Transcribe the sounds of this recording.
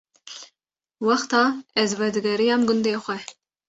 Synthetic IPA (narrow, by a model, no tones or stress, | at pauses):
wɑxt̪ɑːɛzvɛd̪ɨɡɛɾijɑːmɡʊnd̪eːxʷɛ